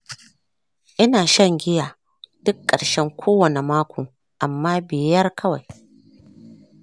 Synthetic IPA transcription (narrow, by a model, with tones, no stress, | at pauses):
ʔɪ˦naː˨ʃɐ˦ŋɡʲɪ˦jaː˨ | d̥ʊ˦kːɐ˨ɽʃɛ˦ŋkʷʰoː˦wɐ˨ne˨maː˦kʷoː˨ | ʔa˨mːaː˦bɪ˨jɐ˦rkʰɐ˦wa˨j